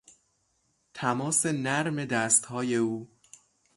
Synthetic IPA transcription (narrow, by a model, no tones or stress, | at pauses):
t̪ʰæmɒːse̞næɾme̞d̪æːst̪hɒːje̞uː